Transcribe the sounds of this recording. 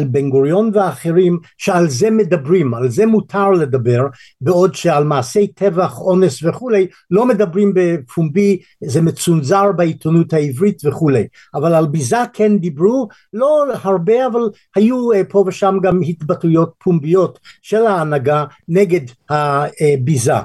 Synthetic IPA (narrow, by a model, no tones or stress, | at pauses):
lbeŋɡoʁijo̞nveaːχeʁimʃealzemed̪abʁimalzemutʰaʁled̪abeʁ | beodʃealmaːse̞jtʰevaχo̞nesveχulej | lo̞med̪abʁimbepumbi | zemet͡sunzaʁbait̪ʰonuthaivʁitveχulej | ʔavalalbizakʰend̪ibʁu | lo̞haʁbeaval | hajupʰo̞veʃamɡamhit̪batujot̚pʰumbijo̞tʃelaːnaɡaneɡedhabiza̰